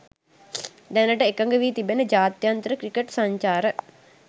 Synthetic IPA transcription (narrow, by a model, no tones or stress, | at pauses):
d̪ænəʈəekəŋɡəʋiːt̪ibenəd͡ʒaːt̪jant̪əɾəkrikeʈsaɲt͡ʃaːɾə